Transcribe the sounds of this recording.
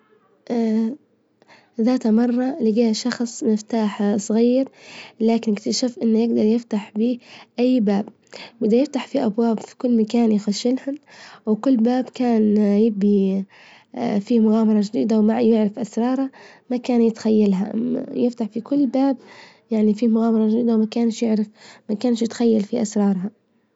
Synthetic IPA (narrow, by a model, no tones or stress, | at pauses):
ʔ | ðaːt̪hamɑrˤːɑliɡiːhʃɑxsˤmɪft̪aːħsˤɣiːɾlaːkɪnɪkt̪aʃafʔɪnːjɪɡd̪ɑɾˤjɪft̪aħbiːʔajːbaːb | bɪd̪ajɪft̪aħfiʔabwaːbfi̥kʊlːmakaːnjɪxaʃːɪlhʊnwkʊlːbaːbkaːnjɪbi | fiːmʊɣaːmɑɾˤɑd͡ʒd̪iːd̪awmajɪʕɾɪfʔasɾˤɑːɾˤa | makaːnjɪt̪xajːalɦa̰ʔa̰jɪft̪aħfikʊlːbaːb | jaʕnifiːmʊɣaːmɑɾˤɑʒd̪iːd̪awmakaːnʃjɪʕɾɪfmakaːnʃjɪt̪xajːalfiʔasɾˤɑːɾˤɦa